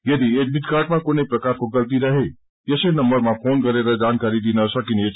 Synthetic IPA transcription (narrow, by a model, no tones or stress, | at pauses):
jɐd̪iek̚bɪd̪kaɾʈmãkoneipɾɐkaːɾkoɡəlt̪̬iɾəɦe | jəsenɐmbəɾmãpʰonkəɾeɾəd͡ʒankaɾid̪inəsəkine